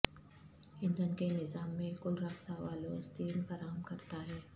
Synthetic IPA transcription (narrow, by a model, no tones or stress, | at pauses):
ɪ̃nd̪ənkenɪzaːmːẽkʊlɾaːst̪aʋaːlost̪iːlfɐɾaːɦəmkɐɾt̪aɦɛː